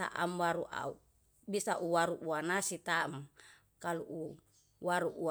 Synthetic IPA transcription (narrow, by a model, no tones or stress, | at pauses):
a̰ʔamwaɾuʔa̰u | bisaʔuwaɾuʔuanasit̪am | kaluʔu | waɾuʔu